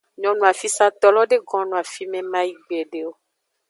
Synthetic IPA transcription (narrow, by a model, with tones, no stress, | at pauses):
ɲɔ̃˨nũ˨a˨fi˦sa˦t̪ɔ˨lɔ˦ɖe˦ɡɔ̃˦nũ˨a˨fi˦mɛ̃˦mã˦ji˦ɡ͡bɛ˨ɖe˦wo˦